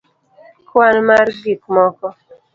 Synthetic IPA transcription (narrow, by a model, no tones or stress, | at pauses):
kʰanmaɾɡikmɔkɔ